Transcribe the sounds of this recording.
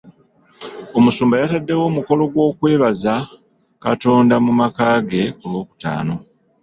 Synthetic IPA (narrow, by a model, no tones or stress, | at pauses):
o̞musuːmbajatadːe̞wo̞ːmuko̞lo̞ɡwo̞ːkwe̞ːβaza | kato̞ːndamumakaːɡe̞kulwo̞ːku̥ta̰ːno̞